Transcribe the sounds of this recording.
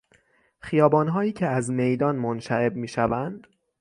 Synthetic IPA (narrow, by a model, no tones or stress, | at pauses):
xijɒːbɒːnɦɒːjiːcʰeæzme̞jd̪ɒːnmonʃæɾebmiːʃævænd̪̥